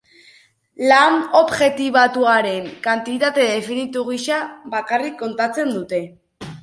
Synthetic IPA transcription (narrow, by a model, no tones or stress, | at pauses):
lano̞βʝe̞t̪iβat̪uaɾe̞ŋkant̪it̪at̪e̞ðe̞finit̪uɣisaβakarikːo̞nt̪at͡se̞nd̪ut̪e̞